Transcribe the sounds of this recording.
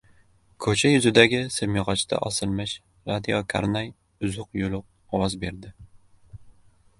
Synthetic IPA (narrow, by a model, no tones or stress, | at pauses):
kʰɵt͡ʃʰajʊzɪd̪aɡʲɪsɪmjɪʁɒt͡ʃʰd̪a̰ʔɒsɪlmɪʃ | ɾad̪ijokʰa̰ɾnaj | ʊzʊqjʊlʊq̚ | ɒwɒzbe̞ɾd̪ɪ